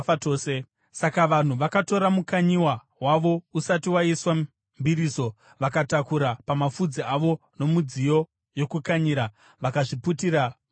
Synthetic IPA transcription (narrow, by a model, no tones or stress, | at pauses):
toːse | sakaʋan̤uʋakato̞ɾamukaɲiwa | waʋo̞usatiwaiswa | mbiɾiːso̞ | ʋakatakuɾapamafud͡ziaʋo̞no̞mud͡zijo̞ | jo̞kukaɲiɾa | ʋakaʐiputiːɾa